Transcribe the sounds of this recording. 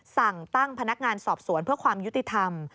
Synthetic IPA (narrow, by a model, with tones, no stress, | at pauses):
sa˨˩ŋt̪a˥˩ŋpʰa˧na˦˥k̚ŋaː˧nsɔː˨˩p̚su˨˩˦npʰɯ˥˩ɐkʰwaː˧mju˦˥t̪ːi˧˩t̪ʰa˧m